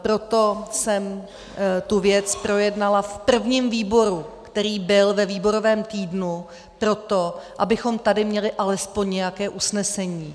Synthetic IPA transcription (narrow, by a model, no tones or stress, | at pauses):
pɾo̞t̪o̞sɛm | t̪uvjɛt͡spɾo̞jɛdnalafpr̩vɲiːmviːbo̞ɾukt̪ɛɾiːbɪlvɛviːbo̞ɾo̞vɛːmt̪iːdnu | pɾo̞t̪o̞ʔabɪxo̞mt̪adɪmɲɛlɪʔalɛspo̞ɲɲɛjakɛːʔusnɛsɛɲiː